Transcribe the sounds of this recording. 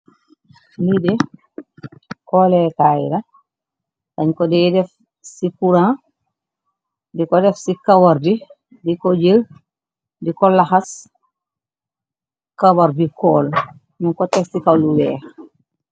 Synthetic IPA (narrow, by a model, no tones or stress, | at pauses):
lidɛ | kɔlɛtajɾa | taɲkɔdɛɛdɛf | sipuɾã | dikɔdɛfsikawaɾdi | dikod͡ʒil | dikɔlaxas | kawaɾdikɔːl | minkɔtɛfsikawluwɛːh